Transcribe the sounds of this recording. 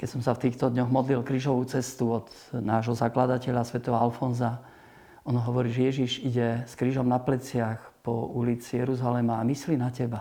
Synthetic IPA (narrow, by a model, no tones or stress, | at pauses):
kɛcsɔmsaft̪iːxt̪ɔd̪ɲɔɣmɔd̪lilkɾiːʒɔʋuːt͡sɛst̪uɔd̪ | naːʒɦɔzaklad̪acɛʎasʋɛt̪ɔɦɔalfɔnza | ɔnɔɦɔʋɔɾiːʒɛjɛʒiʒiɟɛskɾiːʒɔmnaplɛt͡sɪaxpɔulit͡sijɛɾuzalɛmaːmisliːnacɛba